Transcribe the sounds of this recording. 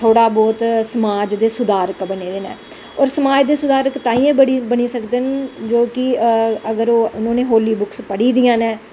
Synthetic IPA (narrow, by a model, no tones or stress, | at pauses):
t̪ʰoːɽaːbɔːt̪səmaːd͡ʒd̪eːsʊd̪aːɾəkbəneːd̪eːnɛ̰ː | ɔːɾsəmaːd͡ʒd̪eːsʊd̪aːɾəkt̪aːĩːẽːbəɽibəniːsəkd̪eːnd͡ʒoːkɪəɡəɾoːʊnõːneːɦoːliːbʊkspəɽiːd̪ijãːnɛː